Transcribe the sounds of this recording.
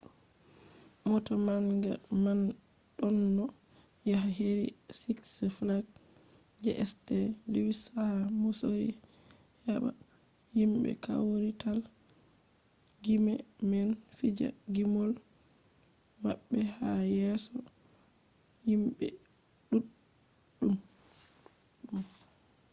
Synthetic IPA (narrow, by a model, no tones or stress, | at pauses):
mɔtamaŋɡa̰man | ɗɔnːɔ | jahɦeɾḭ | siksɛflaf | d͡ʒɛʔɛstɛliwisahamusojḭ | hɛɓa̰ | himɓɛ̰ka̰wɾital | ɡimɛ | mɛnfid͡ʒa̰ɡimɔl | maɓːɛhajɛsɔ | himɓɛ̰ | ɗuɗ | um | ɗum